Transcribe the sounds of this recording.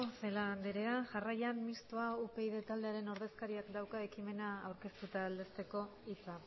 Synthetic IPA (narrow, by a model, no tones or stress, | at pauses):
seland̪eɾe̞aʝarajammist̪o̞aupe̞iðe̞t̪ald̪e̞aɾe̞no̞ɾðe̞skaɾiakd̪awkae̞kime̞naːwɾke̞st̪ut̪aːld̪e̞st̪e̞ko̞it͡sa